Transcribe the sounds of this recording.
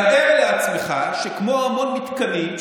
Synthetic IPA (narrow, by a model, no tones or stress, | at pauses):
eʁleat͡smeχaʃekmoamo̞nmit̪kɐnim